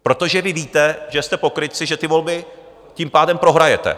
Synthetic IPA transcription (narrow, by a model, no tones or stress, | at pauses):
pɾo̞t̪o̞ʒɛvɪviːt̪ɛʒɛst̪ɛpo̞kɾɪt̪t͡sɪʒɛt̪ɪvo̞lbɪ | cimpaːdɛmpɾo̞ɦɾajɛt̪ɛ̰